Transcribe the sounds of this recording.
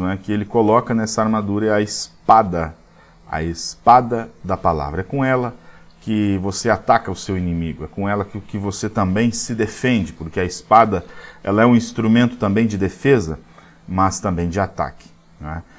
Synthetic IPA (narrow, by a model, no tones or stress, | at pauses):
ɛkɪelɪkolɔkɐnɛsɐaɾmad̪uɾɐɐɪspad̪ɐ | ɐ̰espad̪ɐd̪ɐpala̰vɾɐɛkõɛlɐkɪvoseat̪akɐʊsewinĩmiɡʊɛkõɛlɐkɪʊkɪvoset̪ɐ̃mbẽj̃sɪd̪efẽnd͡ʒɪpoɾkeɐispad̪ɐɛ̰lɐɛũĩst̪ɾumẽnt̪ʊ̥t̪ɐ̃mbẽj̃d͡ʒɪd̪efezɐ | mɐst̪ɐ̃mbẽj̃d͡ʒɪat̪a̰kɪ̥ | nɛ